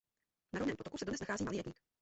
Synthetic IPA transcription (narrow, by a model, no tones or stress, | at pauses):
naɾovnɛːmpot̪kusɛdodnɛsnaxaːziːmalɪjɛtɲiːk